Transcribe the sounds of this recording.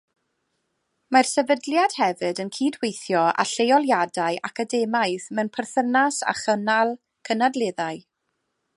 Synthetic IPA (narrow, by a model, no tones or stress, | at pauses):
marsɛvədljad̥hɛvɨdənkʰiːdwejθjɔʔa̰ɬejɔlˠjadajʔakʰadɛmajθmɛwnpʰərθənasa̰χənalˠ | kʰənadlˠɪðaɨ